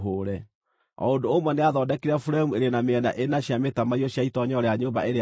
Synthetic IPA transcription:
ɦoːɾɛ | ɔ̰ondoːmwɛneaðɔdɛkeɾafuɾaemueɾenameɛna̰ʔenaɕjametamaiɔɕaitɔɲɔɾɛaɲoːba̰eɾe

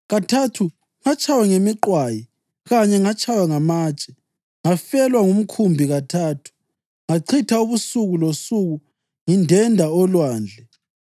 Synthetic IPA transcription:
ɣatʰatʰu | ŋat͡ʃʼʰawɛŋemiǃwaji | ɣaɲɛŋat͡ʃʰʼawaŋamaːt͡ʃʼɛ̥ | ŋafɛlwaŋum̩kʰumbʱiɣatʰaːtʰu̥ | ŋaǀʰitʰauβusuɣulosuɣu | ŋindʱɛndʱaɔlwaːnd͡ɮʱɛ

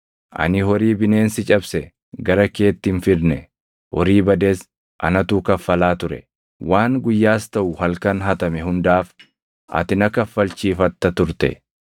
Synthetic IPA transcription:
ʔɐ̰nɪɦɔɾiːbɪne̞ːnsɪt͡ʃʼɐbsɛ | ɡɐɾɐke̞ːt̪ːɪnfɪd̪nɛ | hɔɾiːbɐd̪es | ʔɐ̰nɐt̪uːkɐfːɐlaːt̪ʊɾɛ̰ | waːŋɡʊjːaːst̪ɐʔʊhɐlkɐnɦɐt̪ɐmɛɦʊnd̪aːf | ʔɐ̰t̪ɪnɐkɐfːɐlt͡ʃiːfɐt̪ːɐt̪ʊɾt̪ɛ̰

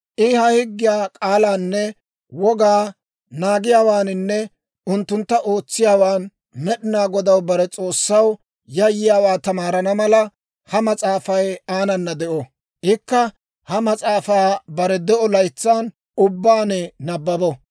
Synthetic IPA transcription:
ʔɪhɐhɪɡːɪjaːkʼaːlaːnːɛ | wɔɡaː | naːɡɪjaːwaːnɪnːɛ | ʊnt̪ːʊnt̪ːɐʔo̞ːt͡sːɪjaːwaːn | mɛɗɪnaːɡɔd̪ɐwbɐɾɛt͡sʼo̞ːsːɐw | jɐjːɪjaːwaːt̪ɐmaːɾɐnɐmɐlɐ | hɐmɐt͡sʼaːfɐjaːnɐnːɐd̪ɛʔɔ | ʔɪkːɐ | hɐmɐt͡sʼaːfaːbɐɾɛd̪ɛʔɔlɐjt͡sːaːn | ʊbːaːnɛnɐbːɐbɔ

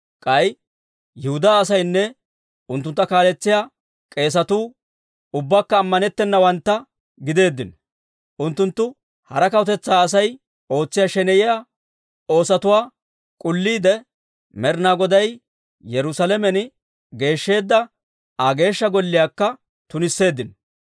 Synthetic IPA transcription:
kʼɐj | jɪhʊd̪aːɐsɐjnːɛ | ʊnt̪ːʊnt̪ːɐkaːlɛt͡sːɪjaː | kʼe̞ːs̬ɐt̪uː | ʊbːaːkːɐːmːɐnɛt̪ːɛnːɐwɐnt̪ːɐ | ɡɪd̪e̞ːd̪ːɪn | ʔʊnt̪ːʊnt̪ːʊ | hɐɾɐkɐwt̪ɛt͡sːaːs̬ɐj | o̞ːt͡sːɪjaːʃɛnɛjɪjaː | o̞ːsɐt̪ʊwaː | kʼʊlːiːd̪ɛ | mɛɾnaːɡɔd̪ɐj | jɛɾʊsɐlɛmɛnɪ | ɡe̞ːʃːe̞ːd̪ːɐ | aɡe̞ːʃːɐɡɔlːɪjaːkːɐ | t̪ʊnɪsːe̞ːd̪ːɪn

